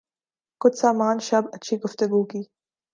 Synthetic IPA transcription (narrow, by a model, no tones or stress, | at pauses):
kʊt͡ʃsaːmaːnʃɐbɐtːʃʰiɡʊft̪ʊɡuːkiː